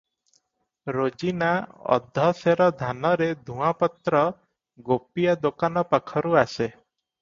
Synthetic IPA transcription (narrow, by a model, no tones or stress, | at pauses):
ɾod͡ʒinaɔ̰d̪ʱːɔseɾɔd̪ʱanɔɾed̪ʱũapɔt̪ɾɔ | ɡopijad̪okanɔpakʰɔɾuase